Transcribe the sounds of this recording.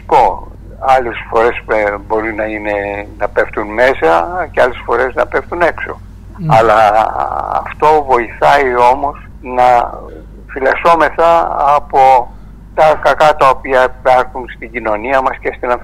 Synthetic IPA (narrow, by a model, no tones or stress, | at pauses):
po̞ | ɐlesfo̞ɾe̞sbo̞ɾinɐine̞nɐpe̞ft̪unme̞sɐceɐle̞sfo̞ɾe̞znɐpe̞ft̪une̞kso̞̰ | ɐlɐ | ɐ̰ft̪o̞vo̞iθɐio̞mo̞s | nɐ | filɐso̞me̞θɐɐpo̞ | t̪ɐkɐkɐt̪ɐopiɐpeɾθunst̪iɟino̞niɐmɐscest̪inɐ